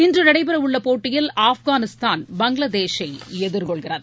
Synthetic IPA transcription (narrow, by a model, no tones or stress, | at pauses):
ɪndrɯnɐɽɐɪpɐɾɐʋɯɭːɐpoːʈːɪjɪlaːfɣaːnɪst̪aːnbɐŋɡɭɐd̪eːʂɐɪɛðɯɾkɔɭɣɪrɐð